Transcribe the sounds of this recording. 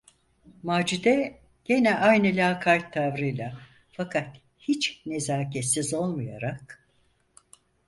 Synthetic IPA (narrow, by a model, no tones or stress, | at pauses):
maːd͡ʒud̪ɛ | ɟ̥e̞nɛʔajnɯlʲaːkʰajt̪ʰːavɾɯjlˠa | fakʰat̪ | hit͡ʃnezaːcɛt̪sizo̞lˠmuja̰ɾak̚